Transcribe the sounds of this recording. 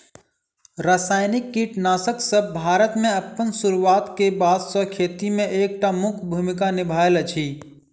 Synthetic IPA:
ɾasaːɪnɪkːiʈnaːsəksəbbʱaːɾət̪mẽəpːənsuɾuwaːt̪kebaːd̪sɔkʰeːt̪imẽʔeːk̚ʈamʊkʰbʱumɪkanɪbʱaːelət͡ʃʰiː

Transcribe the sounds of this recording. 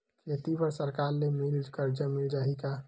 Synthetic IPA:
kʰet̪ipəɾsəɾkaɾlemild͡ʒkəɾd͡ʒəmild͡ʒaːɦika

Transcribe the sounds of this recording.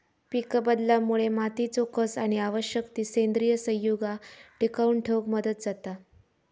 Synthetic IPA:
pikəbəd̪ljamuɭemat̪iːt͡sɔkːəsaɽ̃iaʋəɕjəkt̪iːsend̪ɾijəsə̃jːuɡaʈikauɳʈʰeɡməd̪ət̪̚d͡zat̪a

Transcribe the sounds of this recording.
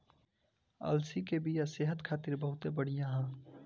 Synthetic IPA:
ɐ̰lsikebijaseːɦət̪kʰaːt̪ɪɾbəɦʊt̪ebəɽ̤ijãɦɛ̃ː

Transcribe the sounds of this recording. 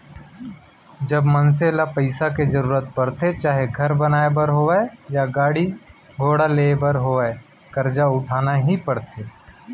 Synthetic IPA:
d͡ʒɐbməns̬eːlapəɪsaked͡ʒɐɾuːɾət̪̚pɐɽt̪et͡ʃaːɦeɡʱɐɾbənaːebəɾɦoʋaejaɡaːɽi | ɡʱoːɽaleːbəɾɦoːae | kɐɾd͡ʒaʊʈʰaːnaɦipɐɽt̪ʰeː

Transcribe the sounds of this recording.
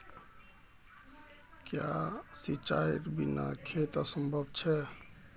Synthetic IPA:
kjasit͡ʃaiʈbina̰kʰet̪asəmbʱəbt͡ʃʰɛ

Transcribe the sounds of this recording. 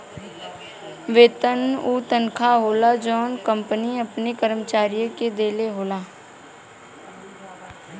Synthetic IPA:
ʋeːt̪ənuːt̪ənkʰaɦoːlad͡ʒɔːnkə̃mpəniɐpnekəɾmət͡ʃaːɾijəked̪eːleɦoːlaː

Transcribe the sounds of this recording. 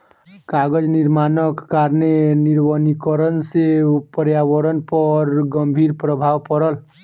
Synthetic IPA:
kaɡəd͡ʒniɾmanəkːaɾneniɾʋənikəɾənsepəɾjaʋəɾənpəɾɡəmbʱiɾpɾəbʱawpəɾəl

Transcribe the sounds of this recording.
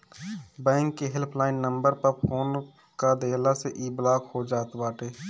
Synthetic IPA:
bɛ̃ːŋkːeɦɪlpʰlaːɪnːə̃mbəɾpəɾpʰoːn | kad̪eːlaseʔiːblaːkhod͡ʒaːt̪baːʈeː

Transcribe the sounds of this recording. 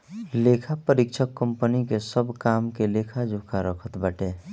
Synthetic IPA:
lekʰapəɾɪkt͡ʃʰəkːəmpənikesəbʱkaːmkelekʰad͡ʒʱʊkʰaɾəkʰət̪bəʈe

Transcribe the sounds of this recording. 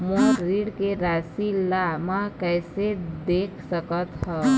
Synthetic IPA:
moɾiɽkeɾasilamakəɪsed̪ekʰsəkət̪ɦɔ

